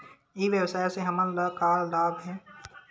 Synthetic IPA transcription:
iʋjəwsaːeseɦɐmənlakaːɾlaːbɦɛ̃ː

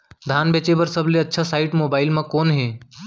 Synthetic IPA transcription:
d̪ʱaːnbet͡ʃebəɾsəbʱleɐtːʃʰasaːɪʈmoːbaːɪlmãkoːnɦeː

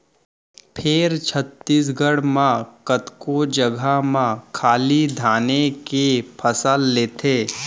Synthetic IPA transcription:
pʰɪɾt͡ʃʰət̪ːiːs̬ɡəɽmãkət̪kod͡ʒəɡʱamãkʰaːlid̪ʱaːnekepʰəsəlːeːt̪ʰeː

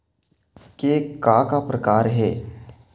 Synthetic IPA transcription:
kekakapɾəkaːɾɦɛː

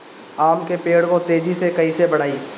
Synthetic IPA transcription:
aːmkepeːɽkot̪eːd͡ʒisekɐisebɐɽ̤aːi

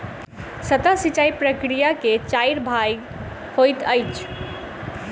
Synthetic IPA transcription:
sət̪asit͡ʃaipɾəkɾijaket͡ʃajɾbʱaj | hojt̪əjt͡ʃʰ

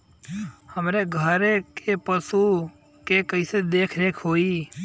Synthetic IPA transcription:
həmɾeːɡʱəɾekepəsuː | keːkəɪsed̪eːkʰɾeːkʰɦoːiː

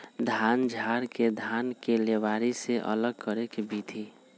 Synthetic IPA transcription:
d̪ʱaːnd͡ʒʱaːɾked̪ʱaːnkelewaɾiseʔə̰ləɡ̚kəɾekebʱit̪ʰi

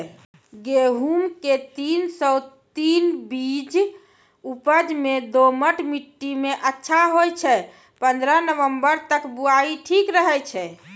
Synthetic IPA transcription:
ɡeɦumket̪insɔt̪inbid͡ʒ | upəd͡ʒmed̪oməʈmiʈːimeʔətːʃʰaɦojt͡ʃʰɛ | pənd̪ɾənəʋəmbəɾt̪əkbuaiʈʰikɾəɦɛt͡ʃʰɛ

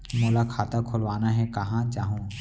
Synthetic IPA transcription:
moːlakʰaːt̪akʰʊlʋaːnaɦɛkɐɦãt͡ʃaːɦũː

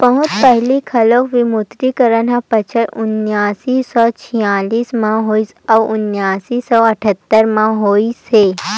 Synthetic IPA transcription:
pɐɦʊ̃t̪pɛɦlikʰɐlokʋimʊt̪ɾikəɾənɦãpɐt͡ʃʰəɾʊnːjaːsisɔːt͡ʃʰijaːliːsmãɦoːis | ɔʊnːjaːsisɔːɐʈʰət̪ːəɾmãɦoːiseː

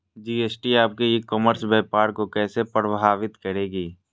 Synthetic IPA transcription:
d͡ʒiːeːsʈiaːp̚keekːɔːməɾsbɛːpaːɾkokɛːsepɾəbʱaːʋɪt̪kɐɾeːɡiː

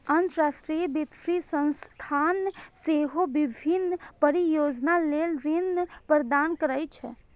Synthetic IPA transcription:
ənt̪ɾasʈɾijəbɪt̪ɾisə̃nst̪ʰanseɦobɪbʱinːpəɾijoːd͡ʒnalelɾinpɾd̪aːnkəɾəjt͡ʃʰɛ

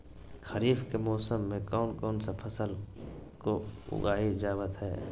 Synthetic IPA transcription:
kʰəɾiːfkemɔːsəmːẽkɔːnkɔːnsapʰəsəlkoʊ̰ɡaːid͡ʒaːwət̪ɦɛ̰ː

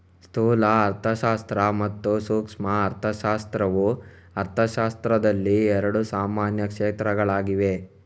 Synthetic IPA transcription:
st̪ʰuːlɐːɾt̪ʰɐʃaːst̪ɾɐmɐt̪ːusuːkʂmɐːɾt̪ʰɐʃaːst̪ɾɐʋu | ɐɾt̪ʰɐʃaːst̪ɾɐd̪ɐlːiɛɾɐɽusaːmaːnjɐkʂeːt̪ɾɐɡɐɭaːɡiʋe̞

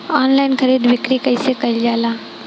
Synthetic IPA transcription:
ɔːnlaːɪnxɐɾiːd̪ʋɪkɾikɐisekɐɪld͡ʒaːlaː

